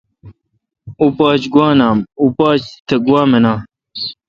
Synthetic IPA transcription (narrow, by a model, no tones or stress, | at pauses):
uːpaːt͡ʃɡwaːnaːmuːpaːt͡ʃt̪ʰɐɡuwaːmənaː